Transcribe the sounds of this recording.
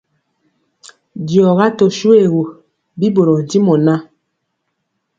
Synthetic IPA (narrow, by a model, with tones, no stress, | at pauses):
djɔ˨ɣa˦to˨ʃu˦e˦˨ɣu˨ | bi˦bo˨ɾo˨n˨ti˦mɔ˨na˦